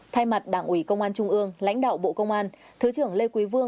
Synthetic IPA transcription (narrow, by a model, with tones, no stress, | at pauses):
t̪ʰa˧jma˨˩t̚ɗaː˧˩ŋʔwi˧˩kə˧wŋ͡mʔaː˧nt͡ɕʊ˧ŋ͡mʔɨ˧əŋla̰˧˥jŋ̟ɗa̰ː˧˨wɓo̰˧˨kə˧wŋ͡mʔaː˧n | t̪ʰɨ˨˦t͡ɕɨ˧˩əŋle˧kwi˨˦vɨ˧ə